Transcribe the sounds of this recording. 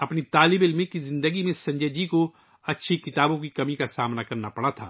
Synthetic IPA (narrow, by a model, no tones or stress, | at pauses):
ɐpnit̪aːlɪbɪlmekizɪ̃nd̪əɡimẽsɐ̃ɲd͡ʒed͡ʒiko | ɐtːʃʰikɪt̪aːbõkikɐmikasaːmnakɐɾnapɐɽat̪ʰa̰ː